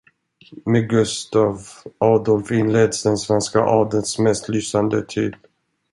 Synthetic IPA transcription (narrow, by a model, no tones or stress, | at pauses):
meːɡɵst̪avʔɑːd̪ɔlfɪnleːd̪sd̪ɛnsvɛnska̰ʔɑːɖ̪ənsmɛst̪lyːsand̪ət̪ʰyːd̪